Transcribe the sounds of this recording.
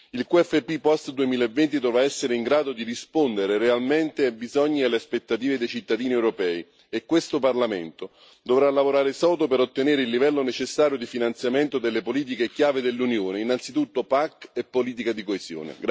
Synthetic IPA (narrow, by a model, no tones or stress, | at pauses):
ilkuɛfepːipɔst̪d̪uemiːlaevːent̪id̪ɔvɾaɛsːeɾeiŋɡɾaːd̪od̪irispond̪eɾeɾealment̪eabizɔɲːialːeaspet̪ːat̪iːved̪ejt͡ʃit̪ːad̪iːniewɾopɛːi | ekːwest̪oparlament̪o | d̪ovɾalːavoɾaːɾesɔːd̪opeɾot̪ːeneːɾeilːivɛlːonet͡ʃesːaːɾjod̪ifinant̪sjament̪od̪elːepoliːt̪̬ikekjaːved̪elːunjoːneinːant̪sit̪ut̪ːopakːepːoliːt̪̬ikad̪ikoezjo̰ːnḛɡ